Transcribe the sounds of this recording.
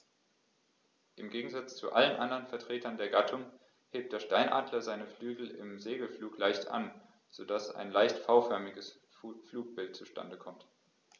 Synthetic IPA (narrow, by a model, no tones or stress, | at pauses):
ʔɪmɡeːɡŋ̩zat͡st͡sṵʔa̰lənʔandɐʁənfɛɐtʁ̥eːtɐndeːɐɡatʰʊŋ | heːp̚td̥eːɐʃtaɪnʔaːdlɐzaɪnəflyːɡl̩ɪ̰mzeːɡl̩fluːklaɪçtʔa̰n | z̥odasa̰ɪnlaɪçtfaʊfœɐmɪɡəs | fluːk̚b̥ɪltt͡suʃtʰa̰ndəkʰɔmt